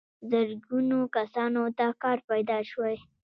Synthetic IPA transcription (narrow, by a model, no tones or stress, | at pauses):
zəɾɡunokasɑnot̪akɑɾpajd̪ɑʃwaj